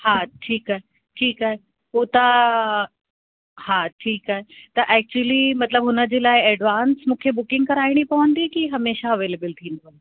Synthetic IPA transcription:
haʈʰiːkaːɦe | ʈʰiːkaːɦe | poːt̪a | haʈʰiːkaːɦet̪ɐʔɛk̚t͡ɕuəlimɐt̪ləbɦʊnəd͡ʑeːlaːɪɛɖʋaːnsmũːkʰebʊkɪ̃ŋɡ̚kɐɾaːɪɽ̃ipɐʋə̃nd̪ikiɦɐmeːʃaɐʋeːleːbəlt̪ʰiːnd̪on

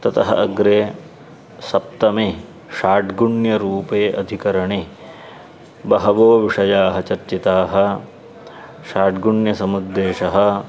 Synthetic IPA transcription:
t̪ɐt̪ɐɦɐ̰ʔɐɡɾeː | sɐp̚t̪ɐmeː | ʃaːʈɡuɳjɐɾuːpeːʔɐd̪ʱikɐɾɐɳeː | bɐɦɐʋoːʋiʂɐjaːɦɐt͡ʃɐɾt͡ʃit̪aːɦɐ̆ | ʃaːʈɡuɳjɐsɐmud̪ːeːʂɐɦɐ̆

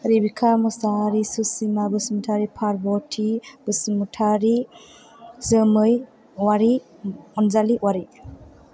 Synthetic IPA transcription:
ɾibikʰamɔsaɾisusimabɯsmutʰaɾipʰaɾbɔtʰib̥ɯsmutʰaɾi | zəmɯj | waɾi | ɔnzaliwaɾi

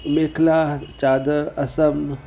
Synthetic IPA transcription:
mekʰlaːt͡ʃaːd̪əɾɐsɐm

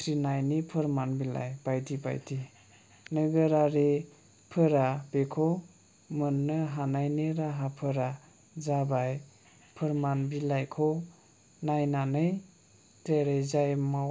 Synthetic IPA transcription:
tʰɾinajnipʰɯɾmanbila̰jbajtʰiba̰jtʰi | nəɡəɾaɾe | pʰɯɾabekʰɔ | mɯnːɯɦanajneɾaɦapʰɯɾa | zabaj | pʰəɾmanbilajkʰɔ | najnanɯj | teɾejzajma

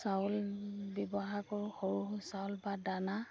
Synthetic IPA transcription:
saʊlbɔbɔɦakɔɹxoɹusawlbadana

